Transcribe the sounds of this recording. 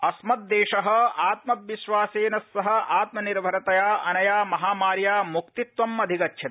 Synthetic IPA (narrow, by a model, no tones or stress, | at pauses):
ɐsmɐt̪̚d̪eːʂɐɦɐ̆aːt̪mɐʋiʃʋaːseːnɐsːɐɦɐ̆ʔaːt̪mɐniɾbʱɐɾɐt̪ɐjaːɐnɐjaːmɐɦaːmaːɾjaːmukt̪it̪ʋɐmɐd̪ʱikɐtʰːʃʰɐt̪